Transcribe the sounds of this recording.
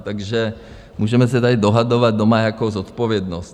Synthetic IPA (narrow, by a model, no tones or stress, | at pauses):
t̪aɡʒɛ | muːʒɛmɛsɛt̪adɪdo̞ɦado̞vad̪̚domajakowzot̪povjɛdnost̪